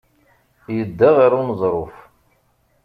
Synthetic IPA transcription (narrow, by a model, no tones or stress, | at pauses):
jəd̪ːaʁaɾunəzˤɾˤʊf